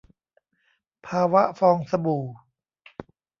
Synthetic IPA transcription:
pʰaː˧wa˦˥ʔfɔː˧ŋsa˧buː˨˩

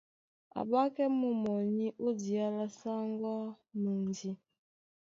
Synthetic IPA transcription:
a̰˨ba˦kɛ˦mu˨mɔ˨ɲi˦ʔu˦di˨a˦la˦sa˦ŋɡɔ˦ | mə˨ndi˦

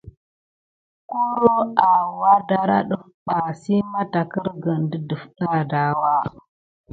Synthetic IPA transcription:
ku˦ɾo˦a˨wa˦da˦ɾa̰˦ɗə˦fɓa˨si˦ma˦ta˨kə˦ɾɡə˨ndə˦də˨fɗa˦˨da˨˦wa˦

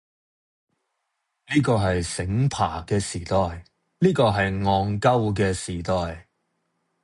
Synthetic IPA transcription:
liː˥kɔː˧ɦɐ˨jsɪ˨˥ŋpʰaː˨˩kɛː˧siː˨˩t̪ɔː˨j | liː˥kɔː˧ɦɐ˨jŋɔː˧ŋkɐ˥wk̬ɛː˧siː˨˩t̪ɔː˨j

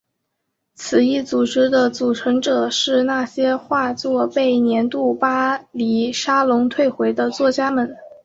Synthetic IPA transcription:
t͡sʰɹ̩˨˩i˥˩t͡su˨˩ʈ͡ʂɻ̩˥d̪ə˧t͡su˨˩ʈ͡ʂʰɤ˧˥ŋʈ͡ʂɤ˨˩ʂɻ̩˥˧na˥˩ɕjɛ˥xwa˥˧t͡swɔ˥˧pe˥˩ɪnjɛ˧˥nt̪u˥˩pa˥li˨˥ʂa˥lʊ˧˥ŋt̪ʰwe˥˩ɪxwe˧˥ɪd̪ə˧t͡swɔ˥˩t͡ɕja˥mə˨˩n

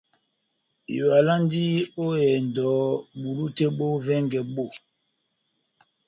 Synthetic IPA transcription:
ḭ˨wa˨la˦ndi˦o˦jɛ˨n˨dɔ˨˦ɓu˨lu˦te˦ɓo˦vɛ˦ŋɡɛ˨ɓo˦˨

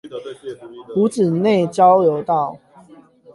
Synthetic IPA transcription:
pu˨˦t͡sɹ̩˨˩ne˥˨ɪt͡ɕjɑ˦ʊljo˨˦ʊt̪ɑ˥˨ʊ

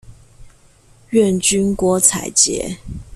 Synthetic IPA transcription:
ɥɛ˥˨nt͡ɕy˥nkwɔ˧˥t͡sʰa̰˨˩ɪt͡ɕjɛ̰˧˦

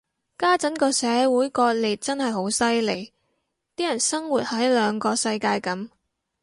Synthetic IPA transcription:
kaː˥t͡sɐ˨˥nkɔː˧sɛː˨˧˥wuː˨˥jkɔː˧t̚liː˨t̚t͡sɐ˥nhɐ˨jɦo˨˥wsɐ˥jle˨˩j | t̪iː˥jɐ˨˩nsɐ˥ŋwuː˨t̚hɐ˨˥jlœː˨˧ŋkɔː˧sɐ˧jkaː˧jkɐ˨˥m

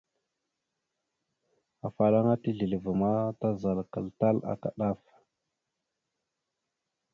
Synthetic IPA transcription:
a˨fa˨la˦ŋa˦ti˦ɮi˨lvə˨ma˦ta˦za˨lkə˨lta˦la̰˦ka̰˨ɗa˦˨f

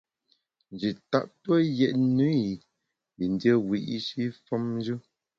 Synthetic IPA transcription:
n̩˨d͡ʒi˨ta̰˦˨ʔtə˦jɛ˨ʔnu˦˨ | bi˨n˦də˦wi˨ʔi˦ʃi˦fɔ˦mn˦d͡ʒu˦

